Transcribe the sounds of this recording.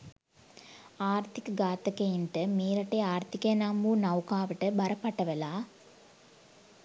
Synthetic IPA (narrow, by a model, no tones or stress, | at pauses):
aːɾt̪ikɐɡaːt̪ɐkɐjinʈɐmeːɾɐʈːeaːɾt̪ikeːnaːmuːnɐwkaːʋɐʈɐbɐɾɐpɐʈːɐʋɐlaː